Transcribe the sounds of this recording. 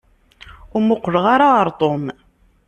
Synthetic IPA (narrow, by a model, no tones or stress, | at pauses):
ʊɾmʊqʷːləʁaɾaəɾˤt̪ˤom